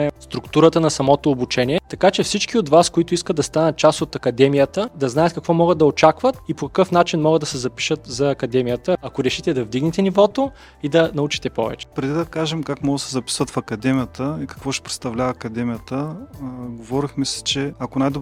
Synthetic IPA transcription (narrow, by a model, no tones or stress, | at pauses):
ɛst̪ɾʊkt̪uɾət̪ənɐsɐmɔt̪oːbut͡ʃɛnʲiɛt̪ɐkat͡ʃɛfsit͡ʃkiot̪vaskoit̪ʊiskəd̪ɐst̪anət̪̚t͡ʃasot̪ɐkɐd̪ɛmijət̪əd̪ɐznaɛt̪kɐkvɔmɔɡəd̪ɐot͡ʃakvət̪ipokɐ̥kɤfnat͡ʃinmɔɡəd̪ɐsɛzɐpi̥ʃət̪zɐːkɐd̪ɛmijət̪əɐkoɾɛʃit̪ɛd̪ɐvd̪iɡnit̪ɛnivɔt̪o | id̪ɐnɐut͡ʃi̥t̪ɛpɔ̰vɛ̰t͡ʃɛ̥pɾɛd̪id̪ɐkaʒɛmkakmɔɡsɛzɐpi̥svət̪fɐkɐd̪ɛmʲijət̪əikɐ̥kvɔʃɛ̥pɾɛt̪st̪ɐvlʲavɐːkɐd̪ɛmijət̪ə | ɡovɔɾixmɛsi̥t͡ʃɛɐkonajd̪o